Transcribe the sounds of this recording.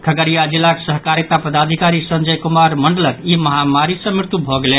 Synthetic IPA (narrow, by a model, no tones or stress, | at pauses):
kʰəɡəɾijad͡ʒilːaksəɦkaɾet̪apəd̪ad̪ʱikaɾisənd͡ʒəjkumaɾməɳɖələkiməɦamaɾisə̃miɾt̪ubʱɔɡelen